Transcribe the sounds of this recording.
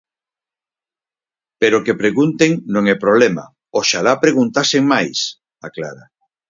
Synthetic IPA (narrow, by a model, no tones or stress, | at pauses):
peɾokepɾeɣunt̪eŋnõŋɛpɾoβlɛma̰ | oʃalapɾeɣunt̪aseŋmajs | aklaɾa